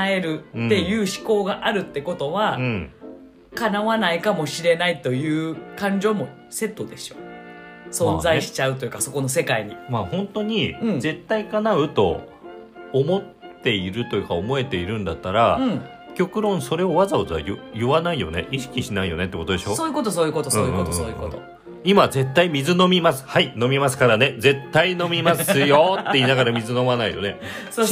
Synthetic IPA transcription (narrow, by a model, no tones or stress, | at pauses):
aeɾɯ̟ːe̞jɯ̟ːɕi̥ko̞ːɡaʔaɾɯ̟t̪ːe̞ko̞t̪o̞βaɯ̃ | kanaβanaikamo̞ɕiɾe̞nait̪o̞jɯ̟ːkãɲ̟d͡ʑo̞ːmo̞ | se̞t̪ːo̞d̪e̞ɕo̥̰ | sõ̞nzaiɕi̥t͡ɕaɯ̟t̪o̞jɯ̟ːkaso̞ko̞no̞s̬e̞kaiɲ̟imahõ̞nt̪o̞ɲ̟ĩze̞t̪ːaikanaɯ̟t̪o̞̰ː | mo̞t̪ːe̞iɾɯ̟t̪o̞jɯ̟kaomo̞e̞t̪e̞iɾɯ̟̃nd̪at̪ːaɾa | kʲo̞kɯ̟ɾõ̞ɰ̃so̞ɾe̞o̞βazaozajɯjɯβanaijo̞̰ne̞̰ʔiɕi̥kʲiɕinaijo̞̰ne̞t̪ːekot̪od̪e̞ɕo̞ːsoːjiɯkot̪̬osoːjɯkot̪osɯõːjot̪ːoõoːjkot̪o | imaze̞t̪ːaimʲizɨno̞mʲimasɨ̥haino̞mʲimasɨ̥kaɾane̞d͡ze̞t̪ːaino̞mʲimasɨjo̞t̪ːe̞iːnaɡaɾamʲizɨno̞manaḭjo̞̰ne̞so